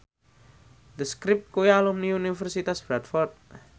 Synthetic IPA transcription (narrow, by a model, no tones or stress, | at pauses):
d̪əskɾip̚t̪̚kujalumniunifərsit̪asb̥ɾat̪fɔrt̪̚